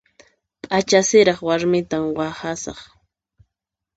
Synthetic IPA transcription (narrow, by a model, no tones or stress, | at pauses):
pʼat͡ʃasɪɾɑχwaɾmɪt̪amwahasɑ̰χ